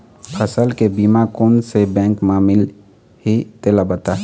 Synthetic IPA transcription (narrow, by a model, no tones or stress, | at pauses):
pʰəsəlkebimakoːnsebɛ̃ŋkmamil | ɦit̪elabət̪a